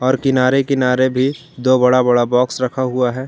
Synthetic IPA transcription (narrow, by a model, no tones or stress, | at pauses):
ɔːɾkɪnaːɾekɪnaːɾebʱi | d̪oːbɐɽabɐɽabɔːksɾɐkʰaɦʊaɦɛː